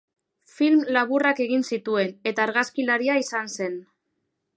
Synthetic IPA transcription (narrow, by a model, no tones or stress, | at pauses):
filmlaβurake̞ɣ̞insit̪ue̞ne̞t̪aːɾɣaskilaɾiaisanse̞n